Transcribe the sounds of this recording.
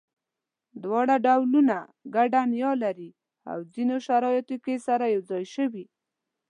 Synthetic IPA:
d̪wɑɽaɖawlunaɡaɖanjɑlaɾi | a̰wzinoʃaɾɑjat̪okesaɾajawzɑjʃəwi

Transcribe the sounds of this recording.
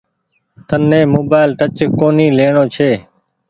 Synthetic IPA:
t̪ʰənːẽːmoːbaːɪlʈət͡ʃkoːniːleːɳoːt͡ʃʰeː

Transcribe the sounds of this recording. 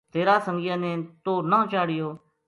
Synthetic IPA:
t̪eːɾaːsəŋɡijənẽːt̪oːnãːt͡ʃaːɽɪjoː

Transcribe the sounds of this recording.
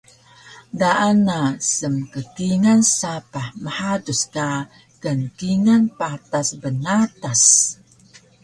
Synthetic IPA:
daʔanasəmkəkiŋansapahməħaduska | ɡənkiŋanpat̪asbənat̪as

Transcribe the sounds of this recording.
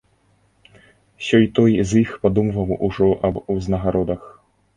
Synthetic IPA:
sʲɔjt̪ɔjzixpad̪umvɐwuʐɔʔɐbuznɐɣaɾɔd̪ɐx

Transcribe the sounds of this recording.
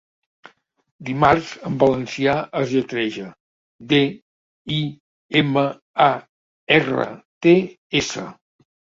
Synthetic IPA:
d̪imarzəmbələnsiaʔəzʎət̪ɾɛʒə | d̪e | i | emə | a | erə̰t̪e | esə̰

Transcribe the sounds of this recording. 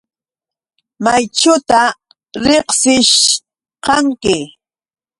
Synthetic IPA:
majt͡ʃʊt̪a | ɾeχsɪʃ | qɑŋkɪ

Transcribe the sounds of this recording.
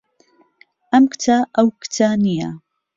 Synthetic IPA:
ʔamkt̪ʰaːʔawkt̪ʰaːnija

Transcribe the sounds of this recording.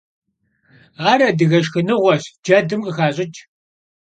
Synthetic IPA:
aːɾɐdɨɣɐʃxɨnɨʁʷɔɕd͡ʒɐdɨmqəxaːɕʼɪt͡ʃʰʼ

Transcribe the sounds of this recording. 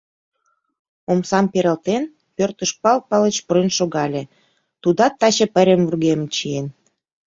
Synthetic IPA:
omsɑmpeɾə̆lt̪en | pørt̪əʃpɑlpɑlət͡ɕprenʃoɣɑlʲe | t̪ud̪ɑt̪ːɑt͡ɕĕpəɾʲemvurɣemt͡ɕien

